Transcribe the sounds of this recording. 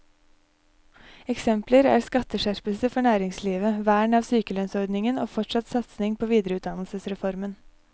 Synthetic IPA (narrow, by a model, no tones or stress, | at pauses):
ɛksɛmpləɾæ̰ːɾskɑt̪ːəʂæɾpəlsəfɔɳæːɾɪŋsliːʋəʋæːɳɑʋsyːkəløːnsɔɾd̪nɪŋəno̰ːfɔʈʂɑt̪sɑt̪snɪŋpʰoːʋiːd̪əɾəʉːt̪̚d̪ɑnlsəsɾɛfɔɾmən